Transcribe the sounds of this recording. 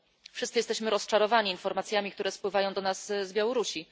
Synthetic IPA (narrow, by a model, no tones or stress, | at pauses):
fʂɘst̪sɘjɛst̪ɛɕmɘɾɔst͡ʂaɾɔvaɲiːnfɔɾmat̪sʲjamʲik̚t̪uɾɛspwɘvajɔ̃w̃d̪ɔnaszbʲjawɔɾuɕi